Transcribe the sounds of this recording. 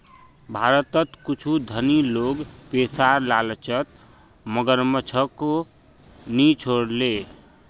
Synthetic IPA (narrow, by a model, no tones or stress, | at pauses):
bʱaɾət̪ət̪kut͡ʃʰud̪ʱəniloɡpesaɾlalt͡ʃət̪ | məɡəɾmət͡ʃʰəko | nit͡ʃʰoɽle